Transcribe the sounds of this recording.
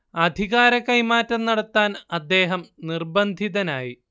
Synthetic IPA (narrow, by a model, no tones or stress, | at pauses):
ɐd̪ʱiɣaːɾɐkɐjmaːtːɐmnɐɽɐt̪ːaːnɐd̪ːe̞ːɦɐmnirbɐnd̪ʱiðɐnaːji